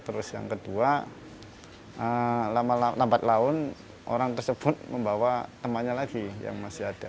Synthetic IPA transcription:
t̪əɾʊsja̰ŋkəd̪ua | əlamalalambat̪̚laʊn | ʔo̰ɾaŋt̪ərsəbʊt̪̚məmbawat̪əmaɲalaɡija̰ŋmasiɦat̪a

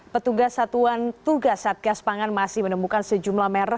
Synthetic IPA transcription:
pət̪uɡasat̪uant̪uɡasat̪̚ɡaspaŋanmasɪhmənəmukansəd͡ʒumlahmeɾə

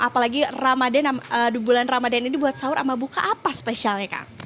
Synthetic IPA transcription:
ʔapalaɡiramadɛnamədubulanramadɛninibuat̪̚saʊɾʔamabuka̰ʔapasə̥pesialɲaka̰ŋ

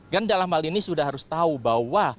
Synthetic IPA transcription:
ɡandalamhalinisudahɦaɾʊst̪aubahwa

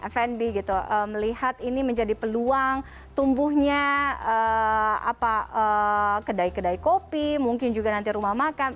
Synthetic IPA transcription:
fɛnbiɡit̪uʔəməlihat̪iniməɲd͡ʒadipəluaŋ | t̪umbʊhɲaəa̰paəkədaikːədaikopimuŋkɪnd͡ʒuɡanant̪̬iɾumahmakan

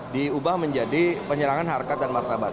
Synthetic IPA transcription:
diubahməɲd͡ʒadipəɲəɾaŋanɦarkat̪̚danmart̪abat̪̚

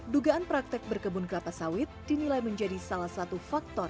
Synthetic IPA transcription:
duɡaʔːnpɾak̚t̪ɛk̚bərkəbunkəɾapasawɪt̪̚d̥inilajməɲd͡ʒadisalahsat̪ufak̚t̪ɔr

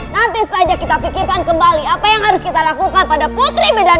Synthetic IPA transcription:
nant̪isad͡ʒakit̪apikɪrkankəmbaliapajaŋɦaɾʊskit̪alakukanpadaput̪ɾibeda

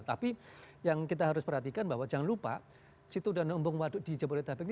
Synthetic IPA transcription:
t̪api | jaŋkit̪aɦaɾʊspərɦat̪ikanbaɦwad͡ʒaŋanlupa̰ | sit̪uːdahnəmbʊŋwadʊʔdid͡ʒabolɾet̪abɪk̚n

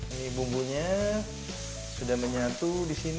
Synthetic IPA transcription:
inibumbuɲa | sudahməɲat̪udisin

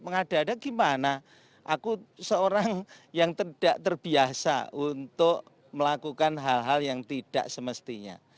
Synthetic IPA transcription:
məŋad̥adaɡ̥imana | ʔakusəoɾaŋjaŋt̪əd̥aʔt̪ərb̥iasa̰unt̪ʊʔ | məlakukanɦalɦaljaŋt̪id̥a̰ʔsəməst̪iɲa̰

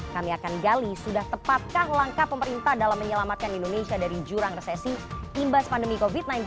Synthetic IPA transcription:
kamiakanɡalisudaht̪əpat̪̚kahlaŋkahpəməɾint̪ahdalamːəɲəlamat̪̚kanindonesiadaɾid͡ʒuɾaŋresesiimbaspandəmikofit̪̚najnt

